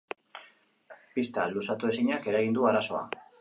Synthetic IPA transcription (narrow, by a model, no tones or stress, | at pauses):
pist̪alusat̪ue̞siɲake̞ɾaɣind̪uaɾaso̞a̰